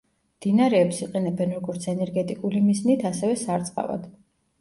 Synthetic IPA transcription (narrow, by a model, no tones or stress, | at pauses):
md̪̥inaɾɛːpsiqʼɛnɛbɛnɾɔɡɔɾt̪sʰɛnɛɾɡɛt̪ʼikʼulimiznit̪ʰasɛvɛsaɾt̪sʼqʼa̰va̰d̪̥